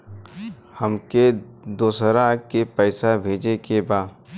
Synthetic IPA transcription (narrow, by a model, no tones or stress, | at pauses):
həmked̪oːsəɾaːkepɛːsabʱeːd͡ʒekebaː